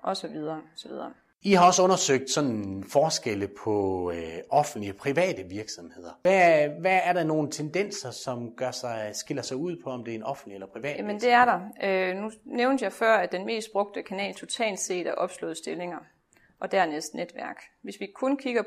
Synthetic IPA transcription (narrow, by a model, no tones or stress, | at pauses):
ʔɒ̽sɒ̽ʋið̞ˠɐːsɒ̽ʋið̞ˠɐː | ihɑ̈ɒ̽sɔ̽nɐsøɡ̥̚d̥sɒ̽n̰fɒːsɡ̥eləpʰɒ̽ | ɒ̽fn̩d̥liəpʰʁiʋɛ̰ːd̥əʋiɐɡ̥sɒ̽mhe̝ð̰ˠɐæʋæːɐɾɑno̝ːn̩t͡sʰend̥en̰sɐsɒ̽mɡ̥ɶɐ̰sɑɪsɡ̥e̝lɐsɑ̈ɪuð̞̰ˠpʰɒ̽ɒ̽md̥e̝æɐenɒ̽fn̩̥lielɐpʰʁiʋɛ̰ːjæmənd̥e̝æɐɾɑ̈ønuneʊnd̥jɑ̈ɪfɶɐ̰æd̥enme̝̰ːsd̥̚b̥ʁɔ̽ɡ̥̚d̥əkʰænɛ̰ːlt͡sʰo̝t͡sʰɛ̰ːld̥se̝̰ːd̥æɐʔɒ̽b̥slɔ̰̽ːð̩ˠsd̥e̝le̝ŋɐ | ʔɒ̽d̥æɐ̰nesd̥ned̥ʋæɐ̰ɡ̥ʋe̝sʋikʰɔ̽nkʰiɡ̥ɐ